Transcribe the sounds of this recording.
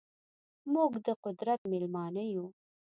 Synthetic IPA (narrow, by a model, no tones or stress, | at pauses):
muɡd̪əqʊd̪ɾat̪mɪlmɑːnəju